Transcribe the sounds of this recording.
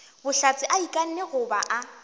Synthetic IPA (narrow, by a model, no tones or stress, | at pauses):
bʊɬat͡sʼɪʔaikʼan̩neɣʊba̰ʔa